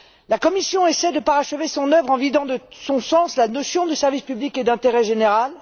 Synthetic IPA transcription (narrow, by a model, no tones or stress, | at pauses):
lakɔmisjɔ̃esɛd̪əpaʁaʃəvesɔ̃nœvʁɑ̃vid̪ɑ̃d̪əsɔ̃sɑ̃slanɔsjɔ̃d̪əsɛʁvispybliked̪ɛ̃t̪eʁɛʒeneʁal